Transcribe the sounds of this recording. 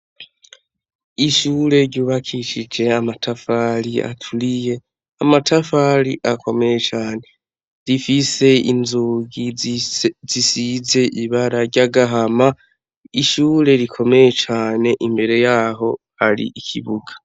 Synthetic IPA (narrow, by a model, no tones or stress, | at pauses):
iʃuːɾe̞ɾɟuːβakʰiʃid͡ʒe̞amatʰafalia̰tʰuɾije̞ | amatʰafaɾḭʔakʰo̞me̞je̞t͡ʃaːne̞ | ɾifise̞ḭnzuɡi | z̥isize̞ʔiβaɾaɾɟaɡaɦama | iʃuːɾe̞ɾikʰo̞me̞je̞t͡ʃaːne̞ʔimbe̞ɾe̞jaːɦo̞ | haɾḭʔikʰḭβuɡḁ